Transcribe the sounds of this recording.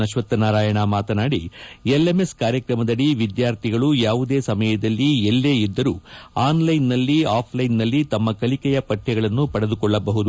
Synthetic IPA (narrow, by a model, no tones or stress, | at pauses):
ɐʃʋɐt̪ːɐnaːɾaːjɐɳamaːt̪ɐnaːɽijelːemeskaːɾjɐkɾɐmɐd̪ɐɽiʋid̪jaːɾt̪ʰiɡɐɭujaːʋud̪e̞ːsɐmɐjɐd̪ɐlːiɛlːe̞ːid̪ːɐɾuːaːnlɐjnːɐlːiaːpʰlɐjnːɐlːit̪ɐmːɐkɐlikɛjɐpɐʈʰːɛɡɐɭɐnːupɐɽed̪ukɔɭːɐbɐɦud̪u